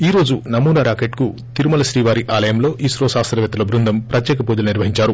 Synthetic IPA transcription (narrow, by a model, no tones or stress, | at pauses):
iːɾo̞ːd͡ʒunɐmuːnɐɾaːkeʈku | t̪iɾumɐlɐʃɾiːʋaːɾiʔaːlɐjɐmlo̞ːʔiːsɾoːsaːst̪ɾɐʋjɐt̪ːɐlɐbɾund̪ʱɐmpɾɐt̪jɛːkɐpuːd̪ulɐniɾʋɐɦiɲt͡ʃaːɾu